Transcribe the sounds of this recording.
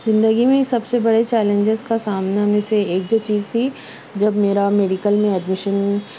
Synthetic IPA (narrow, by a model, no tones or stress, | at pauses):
z̥ɪ̃nd̪əɡimẽsɐbsebɐɽet͡ʃɛːlẽɲd͡ʒɪzkasaːmnamẽseeːk̚d̪oːt͡ʃiːzt̪ʰi | d͡ʒɐbmeːɾameːɖɪkəlmẽɐɖmɪʃən